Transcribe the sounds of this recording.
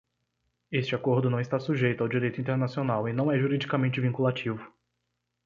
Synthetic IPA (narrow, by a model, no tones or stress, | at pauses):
est͡ʃɪakoɾd̪ʊnɐ̃w̃ɪst̪asuʒejt̪ʊawd͡ʒiɾejt̪ʊĩnt̪eɾnasionawɪnɐ̃w̃ɛʒuɾid͡ʒikamẽnt͡ʃɪvĩŋkulat͡ʃivʊ